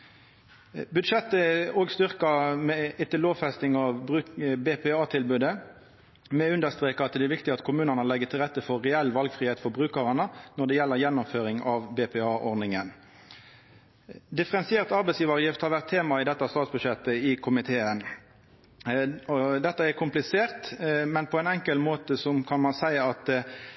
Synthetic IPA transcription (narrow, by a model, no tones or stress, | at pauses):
bʉd̪ʃɛt̪ːəoːɡst̪ʏʁkɑmɛɪt̪ːəloːʋfɛst̪ɪŋɑʋbʁʉːbeːpʰɛɑːt̪ʰɪlbʉːd̪ə | mɛʉnd̪əst̪ʁeːkəɑt̪̚d̪ɛæɾʋɪkt̪ɪɑt̪kʰʊmʉːnənəlɛɡːət̪ʰɪlʁɛt̪ːəfɔʁɛɛlʋɑlɡfʁiːheːt̪fɔbʁʉːkəʁɑnənɔd̪ɛjɛlːəʁjɛnːʊmføːɾɪŋɑʋbepʰɛɑːʔɔʁd̪nɪŋən | d̪ɪfəɾɛnsɪeːʁt̪ɑɾbɛɪsjiːʋɑʁjɪft̪hɑɾʋæʁt̪ʰːeːmɑɪd̪ɛt̪ːɑst̪ɑːt̪sbʉʃɛt̪ːəɪkʰʊmɪt̪ʰeːən | ɔd̪ɛt̪ːəɛɾkʰʊmplɪseːʁt̪mɛnpʰɔɛɪnɛŋkəlmoːt̪əsɔmkʰɑnmɑnsæɪɑt̪